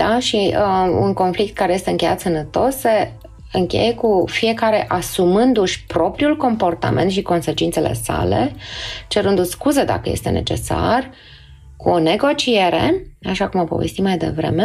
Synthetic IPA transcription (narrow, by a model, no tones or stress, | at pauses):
aʃiṵnko̞nflik̚t̪̚kaɾeje̞st̪e̞ɨŋkʲe̞jat̪sənət̪o̞sːe̞ | ɨŋkʲe̞̰jekufije̞kaɾe̞ʔasumɨnd̪uʃʲpɾo̞pɾiulko̞mpo̞rt̪a̰ment̪ʃiko̞nse̞t͡ʃint̪se̞lʔe̞̰sa̰le̞̰t͡ʃe̞ɾɨnd̪uskuzed̪a̰kəje̞st̪e̞ne̞̰t͡ʃe̞̰sa̰r | kuone̞ɡo̞t͡ʃie̞ɾeaʃakumopo̞vest̪imajd̪e̞̰vɾe̞̰me